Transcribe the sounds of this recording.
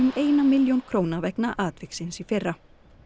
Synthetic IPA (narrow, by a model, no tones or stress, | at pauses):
ʏmeːjnamɪljownkʰɾoːwnavɛknaʔaːt̪vɪksɪnsifɪrːa